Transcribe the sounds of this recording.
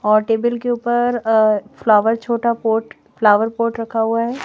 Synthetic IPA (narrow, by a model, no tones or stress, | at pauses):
ɔːɾʈeːbəlkeuːpəɾflaːʋəɾt͡ʃʰoːʈapoːʈ | flaːʋəɾpoːʈɾɐkʰːaɦuaɦɛː